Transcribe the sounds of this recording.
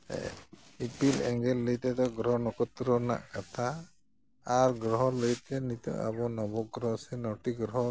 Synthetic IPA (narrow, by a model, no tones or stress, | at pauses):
ipilɛŋɡɛlːəjt̪ɛt̪ɔɡɾɔɦɔnɔkɔt̪ɾɔna̰ʔkat̪ʰaː | ɹɡɾɔɦɔləjt̪ɛnit̪ɔ̰a̰bɔnɔbɔɡɾɔɦsɛnɔtiɡɾɔɦɔ